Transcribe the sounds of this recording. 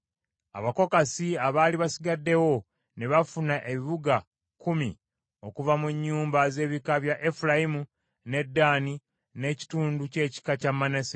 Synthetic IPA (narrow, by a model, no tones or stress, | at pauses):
a̰βako̞kasiaβaːliβasiɡadːe̞wo̞ | neβafunaʔe̞βiβuɡa | kumḭ | o̞kuvamuɲːuːmbaze̞ːβikaβjaʔefulajimu | ne̞dːaːni | ne̞ci̥tuːnduce̞ːci̥kacamːanese